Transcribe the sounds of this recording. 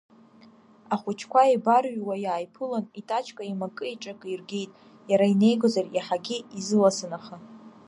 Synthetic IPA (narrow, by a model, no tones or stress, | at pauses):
aχʷʊt͡ʃʰkʷaibarɥwajaːjpʰɨlanitʼat͡ʃʰkʼaimakʼɨiʈ͡ʂʼakʼirɡʲe̞jtʼ | jaɾaine̞jɡʷozaraħaɡʲiizɨlasɨnaχa